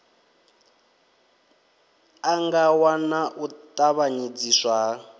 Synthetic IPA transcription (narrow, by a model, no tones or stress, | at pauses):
aŋɡawanaʔut̪ʼaβaɲid͡ziːswa